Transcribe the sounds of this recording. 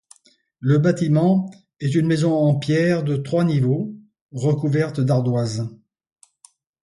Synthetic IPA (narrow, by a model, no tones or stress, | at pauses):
ləbat̪imɑ̃ | ɛt̪̬ynmezɔ̃ɑ̃pjɛʁd̪ət̪χwanivo | ʁəkuvɛʁt̪d̪aʁd̪waz